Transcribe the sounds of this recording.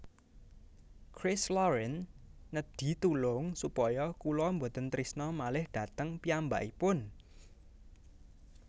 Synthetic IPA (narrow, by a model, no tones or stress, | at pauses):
kɾɪslɔɾɛnːəd̪̥i̤t̪ulʊŋsupɔjɔkulɔmbot̪ənt̪ɾisnɔmalɪhɖ̥ä̤t̪əŋpiamba̰ʔipʊn